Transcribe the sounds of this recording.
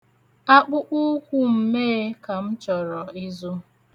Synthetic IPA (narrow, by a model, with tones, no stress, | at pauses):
a˦k͡pʊ˦ʔʊ˦kʷʊ˦m̩˨me˦ka˨m̩˦t͡ʃɔ˨ɾɔ˨i˦zu˦